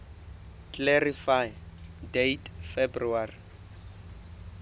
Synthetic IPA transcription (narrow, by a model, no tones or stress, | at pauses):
klerifajdejtfebruari